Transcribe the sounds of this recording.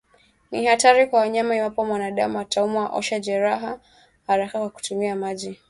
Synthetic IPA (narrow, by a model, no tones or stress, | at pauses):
nihataɾikwawaɲamaiwapɔmwanaɗamuataumuwaʔɔ̰ʃaʄɛɾaɦa | haɾakakwaku̥tumiamaʄi